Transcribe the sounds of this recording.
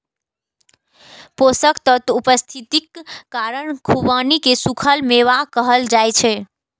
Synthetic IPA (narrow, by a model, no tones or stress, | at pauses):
posəkt̪ət̪upəst̪ʰit̪ikːaɾəɳkʰubənikesukʰəlmeʋakəɦəld͡ʒajt͡ʃʰɛ